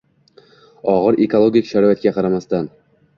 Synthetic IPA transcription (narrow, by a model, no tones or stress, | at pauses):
ɒʁɨɾekolˠoɡʲɪkʲʃaɾɒjat̪̚kʲaqʰɑɾamast̪an